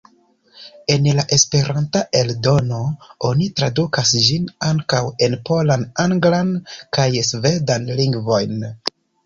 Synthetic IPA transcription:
e̞nlaʔe̞spe̞ɾantaʔe̞ldo̞no̞o̞nitɾadukasd͡ʒinaŋkawe̞npo̞lanaŋɡlankajsve̞danliŋɡvo̞jn

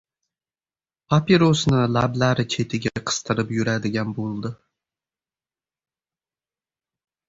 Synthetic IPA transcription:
pʰapiɾosnɪlablaɾɪt͡ʃʰe̞t̪ʰɪɡʲaqʰɨ̥st̪ʰɨɾɪpjʊɾad̪ɪɡʲanbolˠd̪ɪ

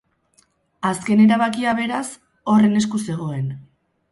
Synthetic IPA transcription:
aske̞ne̞ɾaβakiaβ̞e̞ɾas | o̞re̞ne̞skuse̞ɣ̞o̞e̞n

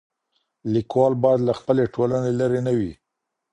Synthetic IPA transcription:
likwɑlbɑjad̪laxpəleʈʰolanelaɾenawi

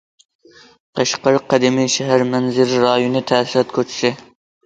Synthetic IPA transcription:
q̪ʰɑʃqɑɾqʰːæd̪imijʃɛɦæɾmɛnzɪɾɾɑːjonɨt̪ʰæːsiɾɑt̪kʰʲøt͡ʃʰi̥sɪ

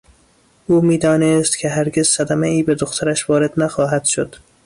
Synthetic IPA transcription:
uːmiːd̪ɒːnest̪kʲʰeɦæɾɡezsæd̪æmæiːbed̪oxt̪ʰæɾæʃvɒːɾed̪næxɒːɦæd̪̥ʃod̪̥

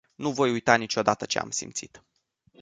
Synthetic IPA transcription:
nuvo̞jujt̪anit͡ʃo̞d̪at̪ət͡ʃe̞̰a̰msḭmt̪sit̪

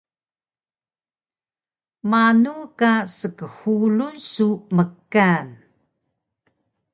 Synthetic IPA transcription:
manukasəkəhulunsuməkːan

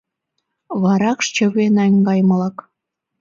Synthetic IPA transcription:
βɑɾɑkʃt͡ɕəβenɑŋɡɑjməlɑk

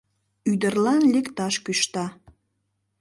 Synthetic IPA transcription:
yd̪ərlɑnlʲekt̪ɑʃkyʃt̪ɑ

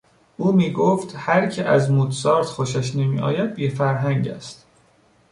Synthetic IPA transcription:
ʔuːmiːɡoft̪hæɾcʰeʔæzmut̪sɒːɾt̪xoʃæʃnemḭːʔɒ̰ːjæd̪̚bifæɾɦæŋɟæ̰st̪

